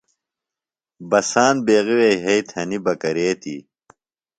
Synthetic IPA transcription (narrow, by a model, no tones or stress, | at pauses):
bɐsaːnbeːɣiwejɦɐjt̪ʰhɐnibɐkɐɾeːt̪ḭ